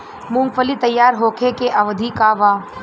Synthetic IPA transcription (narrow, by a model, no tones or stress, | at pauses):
mũŋɡpəlit̪ɐjːaːɾɦoːkʰekeʔɐʋd̪ʱikaʋaː